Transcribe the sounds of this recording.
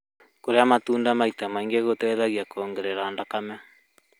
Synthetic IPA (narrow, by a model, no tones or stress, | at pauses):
koɾeamatuːndamaitamaiŋɡeɣotɛːðaɣiakɔːŋɡɛɾɛɾaːndakama